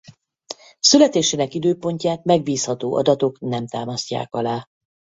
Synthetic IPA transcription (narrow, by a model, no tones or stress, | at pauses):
sylɛt̪eːʃeːnɛkid̪øːpo̞ɲcaːt̪̚mɛɡ̚biːshɒt̪oːʔɒ̰d̪ɒt̪o̞knɛmt̪aːmɒsca̰ːkɒlaː